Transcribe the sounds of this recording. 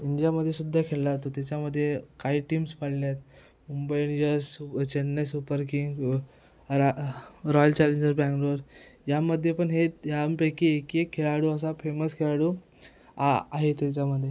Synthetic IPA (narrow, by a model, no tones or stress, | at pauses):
iɳɖijaməd̪ʱːjesud̪ʱːakʰellaat̪ot̪jat͡ɕaməd̪ʱːjekaiːʈiːmspaɽljat̪̚ | mumbəiɳid͡ʑəsut͡ɕenːəsupəɾkiŋɡ | ɾaɾɔjəlt͡ɕaleɲd͡ʑəɾbaŋkɾoɾjaməd̪ʱːjepəɳɦejapɾekiekiekʰːeɭaɽuəsafeməskʰeɭaɽu | aa̰ɦet̪jat͡ɕaməd̪ʱje